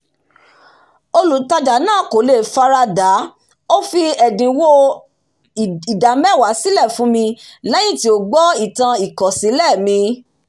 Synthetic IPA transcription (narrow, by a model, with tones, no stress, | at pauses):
o˧lu˨ta˧d͡ʒa˨nãː˦˨ko˨˦le˦˨fa˧ɾa˧da˨˦ | o˦fi˧ɛ˨dĩ˨wo˦˨ | i˨da˨mɛ̃˦˨wa˨˦si˦lɛ˦˨fũ˨˦mĩ˧lɛ˦j̃ĩ˦˨ti˧˦o˨ɡ͡bɔ˦i˨tã˧i˨kɔ˨sĩ˨˦lɛ˦˨mĩ˧